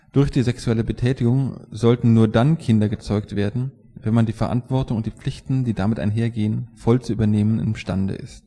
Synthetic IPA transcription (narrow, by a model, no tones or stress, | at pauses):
d̥ʊɐçd̥iːzɛksuɛləbətʰɛːtɪɡʊŋzɔltn̩nuːɐdankʰɪndɐɡət͡sɔʏk̚tv̥eːɐdn̩ | vɛnmandiːfɛɐʔa̰ntv̥ɔɐtʊŋʊntd̥iːp͡flɪçtn̩diːdamɪtʔa̰ɪnɦeːɐɡeːənfɔlt͡suʔyːbɐneːmənɪ̰mʃtandə̰ʔɪ̰st